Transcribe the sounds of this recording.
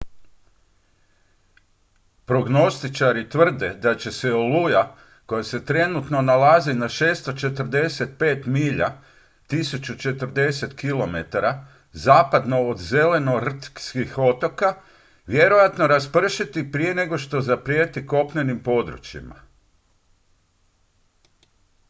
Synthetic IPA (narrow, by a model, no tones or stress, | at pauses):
pɾo̞ɡno̞st̪it͡ʃaɾit̪ʋr̩d̪e̞d̪at͡ɕe̞seoluja | ko̞jase̞t̪ɾe̞nut̪no̞nalazinaʃe̞ːst̪ot͡ʃe̞t̪r̩d̪e̞se̞t̪̚pe̞ːt̪miːʎa̰ | t̪isut͡ʃut͡ʃe̞t̪ər̩d̪e̞se̞t̪kilo̞me̞t̪aɾa | zaːpad̪no̞od̪ze̞le̞no̞r̩t̪kskixo̞t̪o̞ka | ʋje̞ɾo̞jat̪no̞ɾaspr̩ʃit̪ipɾije̞ne̞ɡo̞ʃt̪o̞zapɾijeːt̪iko̞pɲe̞nimpo̞d̪ɾṵt͡ʃḭma̰